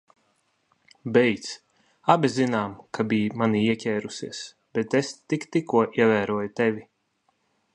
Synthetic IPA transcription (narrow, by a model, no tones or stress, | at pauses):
bɛjt̪s | abʲizinaːmkabijmaniiɛcʲɛːɾusiɛs | b̥ɛt̪est̪ikt̪ikuɔʔiɛvæːɾuɔjut̪ɛvʲi